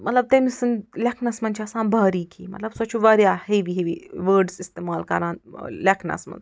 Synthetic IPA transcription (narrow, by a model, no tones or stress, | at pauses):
mɐt̪lɐb̚t̪ɐmisɨnlʲɐkʰnɐsmɐnʲt͡ʃʰɐsãːnbaːɾiːkʰiːmɐt̪lɐbsɐt͡ʃʰuʋaːɾjaːheʋiɦeʋiʋəːɾɖsist̪eːmaːlkɐ̰ɾãːnlɐkʰnɐ̰smɐ̰n